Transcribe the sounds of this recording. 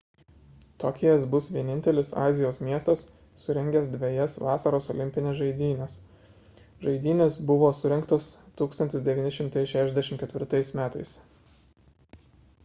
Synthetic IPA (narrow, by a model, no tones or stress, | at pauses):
t̪okʲɪjɛsbʊsʋʲiɛnʲɪnʲt̪ʲɛlʲɪsɑ̰ːzʲɪjoːsmʲiɛst̪ɐsː | ʊɾʲɛŋʲɡʲɛsd̪ʲʋʲɛjɛsʋɑːsɐɾoːsɔlʲɪmʲpʲɪnʲesʒɐɪd̪ʲiːnʲɛs | ʒɐɪd̪ʲiːnʲeːsbʊʋoːsʊɾʲɛŋkt̪oːst̪uːkst̪ɐnʲt̪ʲɪsd̪ʲɛʋʲiːnʲɪʃʲɪmt̪ɐɪʃʲæːʃʲɛzd̪ʲɛʃʲɪmt̪kʲɛt̪ʲʋʲɪɾt̪ɐɪsmʲæːt̪ɐɪs